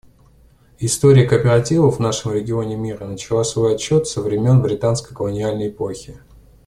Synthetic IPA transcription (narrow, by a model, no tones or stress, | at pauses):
ɪst̪o̞ɾʲɪjəkəpʲɪɾatʲivəvnaʂɨmɾʲɪɡʲɪo̞nʲɪmʲiɾənət͡ɕɪlˠasvo̞jɐt͡ɕːo̞t̪fsəvɾʲɪmʲo̞nbɾʲɪt̪anskəjkəlˠənʲɪalʲnəjɪpoxʲɪ